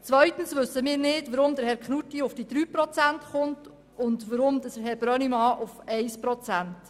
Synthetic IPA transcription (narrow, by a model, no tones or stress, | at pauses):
t͡sʋœɥtən̩sʋɵsəmɪːɾnɪdʋəɾʊmd̪əɾhɛɾkχnutiʊfd̥id̥̪ɾyːpɾɔt͡sæntχʊnt | ʊndʋəɾʊmd̪əhɛɾb̥ɾœnimɑːʔʊfɛɪspɾɔt͡sænt